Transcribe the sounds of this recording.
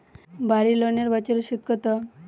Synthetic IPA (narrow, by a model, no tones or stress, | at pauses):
bʱaɾiloneɾbat͡ɕeɾuɕut̪̚kət̪ə